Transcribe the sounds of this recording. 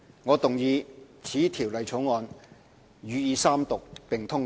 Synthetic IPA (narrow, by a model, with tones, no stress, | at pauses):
ŋɔː˨˧t̪ʊ˨ŋjiː˨˧ | t͡sʰiː˨˥t̪ʰiː˨˩wlɐ˨jt͡sʰo˨˥wŋɔː˨˧n | ɥyː˨˧jiː˨˧saː˥mt̪ʊ˨k̚pɪ˨ŋt̪ʰʊ˥ŋ